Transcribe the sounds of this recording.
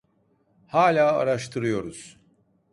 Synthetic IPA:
haːlʲaːa̰ɾaʃt̪ʰɯɾɯjo̞ɾuz̥

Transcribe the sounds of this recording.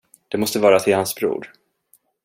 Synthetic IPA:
d̪̥ɛmɔst̪əvɑːɾat̪ʰɪlhansbɾṵːɾ

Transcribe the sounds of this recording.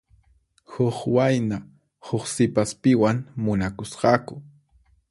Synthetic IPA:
hʊχwajna | hʊχsɪpaspɪwaŋmʊnakʊsqɑkʊ

